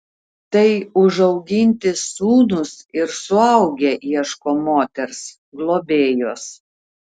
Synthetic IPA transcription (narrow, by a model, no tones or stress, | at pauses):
t̪ɐɪʊʒɐʊɡʲɪnʲt̪ʲɪsːuːnʊsɪɾsʊɐʊɡʲeʔiɛʃkoːmoːt̪ʲɛɾs | ɡlˠoːbʲeːjoːs